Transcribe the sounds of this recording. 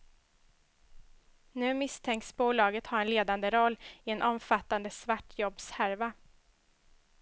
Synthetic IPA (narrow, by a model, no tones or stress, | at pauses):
nʉ̟ːmɪst̪ʰɛŋksbuːlɑːɡət̪hɑːɾɛnleːd̪and̪əɾɔlːɪɛnʔɔmfat̪ːand̪əsvaʈːjɔbːshæɾva